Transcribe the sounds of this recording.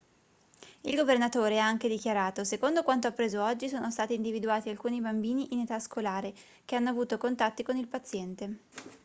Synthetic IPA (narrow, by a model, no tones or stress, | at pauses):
ilɡovernat̪oːɾeaaŋk̟ed̪ikjaɾaːt̪osekond̪okwant̪oapːɾeːzoɔd͡ʒːisoːnost̪aːt̪iːnd̪ivid̪uaːt̪ialkuːnibambiːniʔinet̪askolaːɾe | k̟eanːoavuːt̪okont̪at̪ːikonilpat̪sːjɛnt̪e